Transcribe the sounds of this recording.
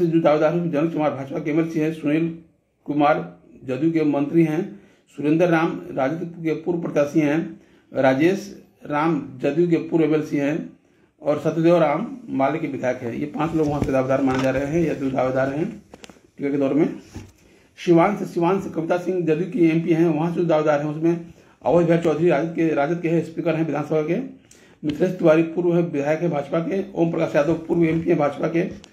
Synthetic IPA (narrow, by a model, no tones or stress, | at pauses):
sed͡ʒ̪ud̪aːʋed̪aːɾɦɛ̃d͡ʒɐnəkʊmaːɾbʱaːt͡ʃpakeeːmɛːlsiɦɛ̃sʊneːl | kʊmaːɾ | d͡ʒəd̪jukemə̃nt̪ɾiɦɛ̃ | sʊɾẽnd̪əɾːaːmɾaːd͡ʒɪt̪kepuːɾpɾət̪jaːsiɦɛ̃ | ɾaːd͡ʒeːs | ɾaːmd͡ʒɐd̪juk̬epuːɾeːmɛːlsiɦɛ̃ | ɔːɾsət̪d̪eːʋɾaːmːaːlekeʋɪd̪ʱaːjəkɦɛ̰̃jepãːt͡ʃloːɡʋɐɦãsed̪aːʋed̪aːɾmaːnad͡ʒaːɾɐɦeɦɛ̃jd̪ud̪aːʋed̪aːɾɦɛ̃ | ʈiːkaked̪ɔːɾemẽ | ʃɪʋaːnseʃɪʋaːnsekɐʋɪt̪asɪ̃ŋɡd͡ʒɐd̪jukieːmpiɦɛ̃ʋɐɦãsed̪aːʋed̪aːɾɦɛ̃ʊsmẽ | ɐ̰ʋəd͡ʒbʱɛːɾt͡ʃɔːd̪ʱɾiɾaːd͡ʒət̪keɾaːd͡ʒət̪̚keɦɛ̃spiːkəɾɦɛ̃ʋɪd̪ʱaːnsəbʱake | mɪt̪ʰlest̪ɪʋaːɾipuːɾʋɦɛ̃bɪd̪ʱaːjəkɦɛ̃bʱaːd͡ʒpakeo̰ːmpɾəkaːɾsjaːd̪oɡpuːɾweːmpiɦɛ̃bʱaːd͡ʒpake